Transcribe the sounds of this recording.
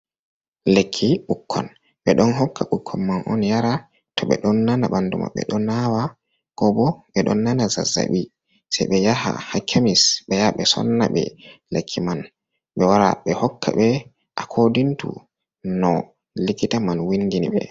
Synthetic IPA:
lekʰːiɓukʰːɔ̰n | ɓɛɗɔnɦɔkːaɓukʰːɔnmanʔɔnjaɾa | tɔɓɛ̰ɗɔnːanaɓanduma̰ɓɛ̰ɗɔnawa | ɡ̥ɔbɔɓɛɗɔnːanaza̰za̰ɓi | sɛjɓɛjaha̰hakʰːamisɓɛjaɓɛsɔ̰nːaɓɛ̰lekʰːiman | ɓɛwaɾa̰ɓɛhɔkʰːa̰ɓɛ | ʔakʰodintṵ | nɔ | likitamanwindiniɓɛ

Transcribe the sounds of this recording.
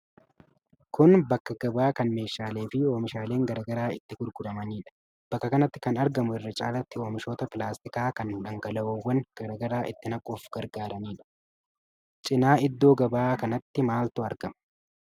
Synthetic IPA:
kʊnbɐkːɐɡ̥ɐbaːkɐnme̞ːʃːaːle̞ːfɪoːmɪʃaːle̞ːŋɡɐɾɐːɡɐɾaːɪt̪ːɪɡʊɾɡʊɾɐmɐniːᶑɐ̥ | b̥ɐkːɐkɐnɐt̪ːɪ̥kɐnɐɾɡɐmʊɪrːɐt͡ʃʼaːlɐt̪ːɪo̞ːmɪʃo̞ːt̪ɐpɪlaːst̪ɪkaːkɐnhʊᶑɐŋɡɐlɐoːwːɐŋɡ̥ɐɾɐɡɐɾaːʔɪ̰t̪ːɪnɐkʼːuːfɡ̥ɐɾɡaːɾɐniːᶑɐ̥ | t͡ʃʼɪnaːɪd̪ːo̞ːɡɐbaːkɐnɐt̪ːɪmaːlt̪ʊɐɾɡɐmɐ

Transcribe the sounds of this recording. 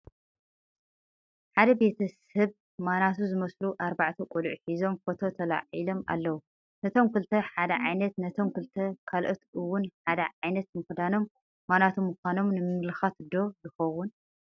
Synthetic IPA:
ħad̪ɐbe̞t̪ʰɐsɐβ | manat̪ʰuzɨmɐsluʔaɾbaʕt̪ʰɐkʷʼulʕħizo̞mfo̞t̪ʰo̞t̪ʰɐla̰ʕilo̞ma̰lːɐwu | nɐt̪ʰo̞mkɨlt̪ʰɐħad̪ɐʕajnɐt̪nɐt̪ʰo̞mkʰɨlt̪ʰɐkʰalʔot̪ɨwːʊnħad̪ɐʕajnɐt̪mɨxd̪ano̞mː | anat̪ʰumːuxʷano̞mnɨmɨnlɨxat̪d̪o̞zɨxɐwun

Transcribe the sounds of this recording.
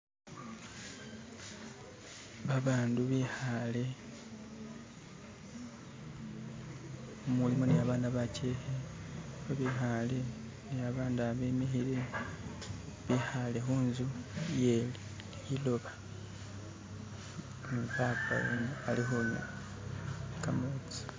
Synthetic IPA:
βaβaːnduβihale̞ | mulimonejaβaːndaβaceːhe | oβixale̞ | neaβaːndaβe̞mexiɾe̞ | βixale̞xuːnzuje̞ːli | ilo̞βa | mupaːpa̰o̰malixomṵ | kamoːt͡si̥

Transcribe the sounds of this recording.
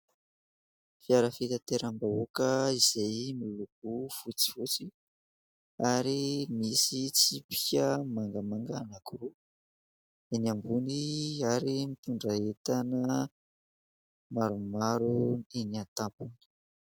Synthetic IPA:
fiaɾəfit̪at̪eɾambaokəiz̥ajmiluɡ̚ufut͡si̥vut͡si | aɾimisit͡sipi̥kʲəmaŋɡəmaŋɡanakuɾu | eniambuniaɾimit̪uɳɖ͡ʐaet̪anə | maɾumaɾueniant̪apuni̥

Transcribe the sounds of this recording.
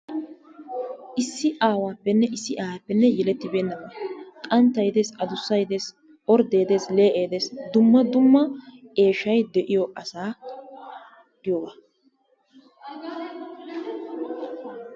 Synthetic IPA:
ʔɪsːɪʔaːwaːpːɛnːɛʔɪsːɪʔaːhaːpːɛnːɛjɛlɛt̪ːɪbe̞ːnːɐmkʼɐnt̪ːɐjd̪esɐd̪ʊsːɐjd̪es | ʔɔɾd̪e̞ːd̪e̞ːsle̞ːʔeːd̪e̞ːsd̪ʊmːɐd̪ʊmːɐe̞ːʃɐjd̪ɛʔɪjoʔɐsaː | ɡɪjoba

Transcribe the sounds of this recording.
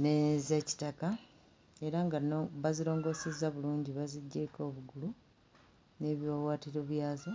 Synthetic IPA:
nezeci̥taka | e̞ɾaŋɡaβazilo̞ːŋɡo̞ːse̞zaβuluːɲɟiβaziɟːeko̞ːβuɡulu | ne̞βjowaːtiɾo̞βjaːzo

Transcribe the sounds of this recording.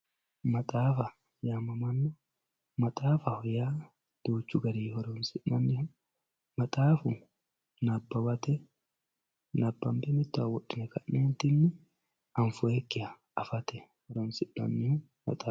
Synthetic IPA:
mɐt̪ʼaːfɐ | jaːmɐmɐnːɔ | mɐt̪ʼaːfɐhɔjaː | d̪̥uːt͡ʃːʊɡɐɾiːhɔɾonsɪʔːɐnːɪhʊ | mɐt̪ʼaːfʊ | nɐbːɐwɐt̪ɛ | nɐbːɐmbɛmɪt̪ːʊɐwɔɗːɪnɛkɐʔneːnt̪ɪnːɪ | ɐnfʊekːɪɐ | ɐfɐt̪ɛhɔɾonsɪʔːɐ̰nːɪhʊ | mɐ̰t̪ʼaː

